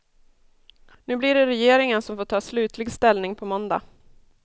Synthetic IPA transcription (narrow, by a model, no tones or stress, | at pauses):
nʉ̟ːblɪɖɛɾɛjeːɾɪŋənsɔmfoːʈʰɑːslʉ̟ːt̪ʰlɪɡst̪ɛlnɪŋpʰɔmɔnd̪a̰